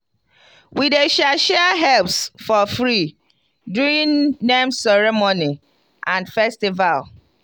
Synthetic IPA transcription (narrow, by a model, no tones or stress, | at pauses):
wideʃalʃɛɦɛlpsfɔfɹi | duĩnːẽmsɛɹɛmoni | ʔãnfɛstival